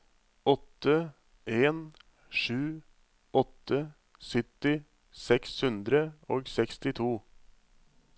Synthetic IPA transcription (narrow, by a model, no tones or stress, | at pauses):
ɔt̪ːə | ʔeːn | ʂʉː | ɔt̪ːə | sɪt̪ɪ | sɛkshʉnd̪ɾəoːɡsɛkst̪ɪt̪ʰuː